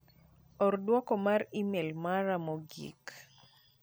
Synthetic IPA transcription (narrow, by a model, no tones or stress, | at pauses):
ɔrdwɔkɔmarimɛlmaɾamɔɡḭk